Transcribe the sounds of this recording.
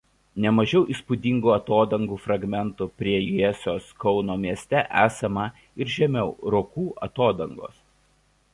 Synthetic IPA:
nʲɛmɐʒʲɛʊʔiˑspʊd̪ʲɪŋɡuːɐt̪oːd̪ɐŋɡuːfɾɐɡmʲɛnˑt̪upʲɾʲiɛjiɛsʲoːskɒʊnoːmʲiɛsʲt̪ʲɛʔæːsʲɐmɐ | ɪɾʒʲɛmʲɛʊɾoːkuːʔɐ̰t̪oːd̪ɐŋɡo̰ːs

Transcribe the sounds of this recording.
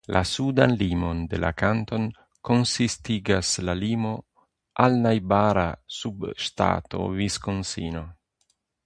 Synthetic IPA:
lʔa̰sud̪anlimo̞nd̪ḛla̰kant̪o̞n | ko̞nsist̪iɡaslalimo̞ | alnajbaɾasubʃt̪a̰t̪o̞̰viskonsḭno̞

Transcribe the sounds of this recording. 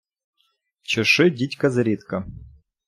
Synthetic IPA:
t͡ɕɪʂɨdʲitʲkɐzɾʲit̪kɐ

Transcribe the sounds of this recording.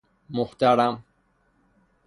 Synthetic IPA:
mʊxt̪aɾam

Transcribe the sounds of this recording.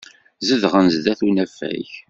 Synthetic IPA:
zəðʁənzðæθunæfːæ̰ç

